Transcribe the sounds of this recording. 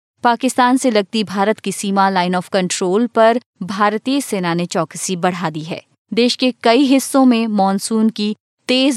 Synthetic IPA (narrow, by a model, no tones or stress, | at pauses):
paːkɪst̪aːnselɐɡ̚t̪ibʱaːɾət̪kisiːmalaːɪnɔːfkɐ̃ɳʈɾoːlpɐɾ | bʱaːɾt̪iːəseːnanet͡ʃɔːkəsibɐɽ̤aːd̪iɦɛ̰ː | d̪eːʃkekɐiɦɪsːõmẽmɔːnsuːnki | t̪eːz